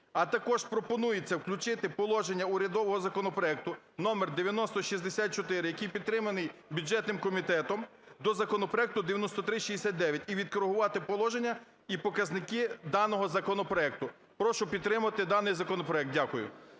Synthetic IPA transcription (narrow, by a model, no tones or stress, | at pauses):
ɐt̪ɐkɔʒpɾɔpɔnujet͡sʲːɐwklʲʊt͡ʃɪt̪ɪpɔlˠɔʒenʲːɐʊɾʲɐd̪ɔʋɔɦɔzɐkɔnɔpɾɔɛk̚t̪ʊ | nɔmerd̪eʋʲjɐnɔst̪ɔʃisd̪esʲat̪̚t͡ʃɔt̪ɪɾɪjɐkijpʲid̪̚t̪ɾɪmɐnɪjbʲʊd͡ʒɛt̪nɪmkɔmʲit̪ɛt̪ɔm | d̪ɔzɐkɔnɔpɾɔɛk̚t̪ʊd̪eʋjɐnɔst̪ɔt̪ɾɪʃʲizd̪esʲat̪̚ʲd̪ɛʋʲjɐtʲiʋʲid̪̚kɔɾeɦʊʋɑt̪ɪpɔlˠɔʒenʲːɐ | ipɔkɐznɪkɪd̪ɑnɔɦɔzɐkɔnɔpɾɔɛk̚t̪ʊ | pɾɔʃʊpʲid̪̚t̪ːɾɪmʊɐt̪ɪd̪ɑnɪjzɐkɔnɔpɾɔɛk̚t̚dʲakʊjʊ̰